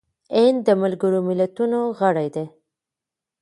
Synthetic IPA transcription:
end̪əmalɡəɾomɪlat̪unoɣəɽajd̪e

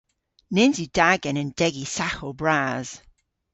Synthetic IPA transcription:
nɪnzjʉd̥aɡə̃nə̃nd̥ɛɡisaxəlˠbɹaz̥

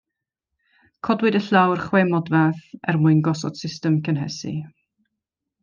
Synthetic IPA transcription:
kʰɔdwɨdəɬawrχwemɔdvaθɛrmuɨnɡɔsɔ̰d̥sɪstəmkʰənɦɛsḭ

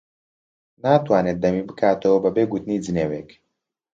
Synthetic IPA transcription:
naːt̪waːnet̪̚d̪ɐmiːbɨkʰaːt̪ʰɐwɐbɐbeːɡut̪niːd͡zɨneːweːk

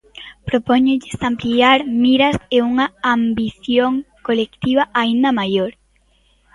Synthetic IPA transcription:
pɾopoɲʊʎɪsampliaɾmiɾɐseuŋaambiθjoŋkolekt̪iβaʔaind̪ɐmajoɾ

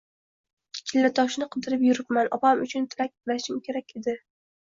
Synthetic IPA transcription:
t͡ʃʲʰɪlːat̪ʰɒʃnɪqʰɨd̪ɪɾɪpjʊɾɪpmanɒpamʊt͡ʃʰʊnt̪ʰɪɾak̚ʲbɪlaʃɪmkʲʰe̞ɾakʲʰe̞d̪ɪ

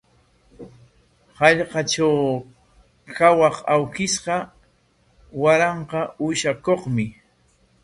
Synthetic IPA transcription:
hɑʎqɑt͡ʃaw | kawɑχawkɪsqɑ | waɾɑɴqɑʊʃakoχmɪ

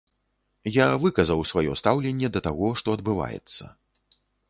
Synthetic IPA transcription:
javɨkɐzɐwsvajɔst̪awlʲɛnʲːɛd̪ɐt̪aɣɔʂt̪ɔɐd̪bɨva̰jɛ̰t̪sːɐ̰

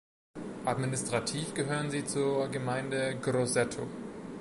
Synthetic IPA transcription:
ʔadminɪstʁ̥atʰiːfɡ̥əɦøːʁənziːt͡suːɐɡəmaɪndəɡʁozɛtʰo̰

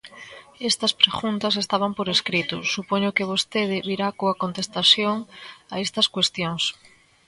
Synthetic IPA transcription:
est̪ɐspɾeɣunt̪ɐs̬est̪aβ̞ɐmpoɾeskɾit̪ʊ̰supoɲʊkɪβ̞ost̪eð̞ɪβiɾakoɐkont̪est̪asjoŋaest̪ɐskwest̪joŋs

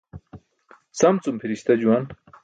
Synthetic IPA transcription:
t͡sɐmt͡sumpʰiɾiɕt̪ɐd͡ʑuwɐn

